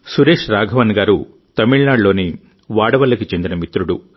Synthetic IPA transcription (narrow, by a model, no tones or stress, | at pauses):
suɾe̞ːʂɾaːɡʱɐʋɐnɡaːɾu | t̪ɐmiɭnaːɖlo̞ːni | ʋaːɽɐʋɐlɐkit͡ʃe̞nd̪inɐmit̪ɾuɽu